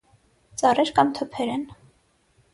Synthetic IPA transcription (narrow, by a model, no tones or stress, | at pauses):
t͡sɑrɛɾkɑmt̪ʰəpʰɛɾɛn